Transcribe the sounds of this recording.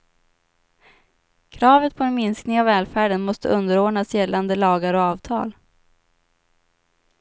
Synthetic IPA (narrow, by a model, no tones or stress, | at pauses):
kʰɾɑːvət̪̚pʰɔɛnmɪnsknɪŋavːɛːlfæːɖənmɔst̪ə̰ʔɵnd̪əɾoːɖɳasjɛlːand̪əlɑːɡaɾɔɑːvt̪ʰɑ̰ːl